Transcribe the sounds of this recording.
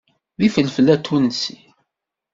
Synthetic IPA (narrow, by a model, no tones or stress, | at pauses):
ðifəlfəlːæt̪ʰːunəsi